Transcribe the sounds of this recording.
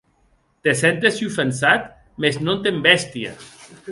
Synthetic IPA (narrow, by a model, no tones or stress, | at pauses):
t̪esent̪esjufensat̪ | meznont̪embɛst̪ia̰